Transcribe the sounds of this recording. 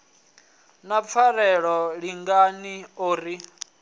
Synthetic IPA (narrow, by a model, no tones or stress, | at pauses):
nap̪fʰaɾɛɺɔɺiŋɡanioːɾi